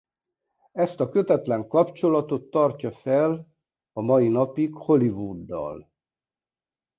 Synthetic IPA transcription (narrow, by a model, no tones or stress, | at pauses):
ɛst̪ɒkø̞t̪ɛt̪lɛŋkɒpt͡ʃo̞lɒt̪o̞t̪ːɒrcɒfɛl | ɒmɒjinɒpikho̞livuːd̪ːɒ̰l